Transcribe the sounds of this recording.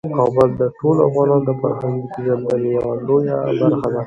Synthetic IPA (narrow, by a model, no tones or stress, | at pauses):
qɑbəld̪əʈolafɣɑnɑnd̪əfaɾɦaŋɡipeʒand̪alijalojabaɾxad̪a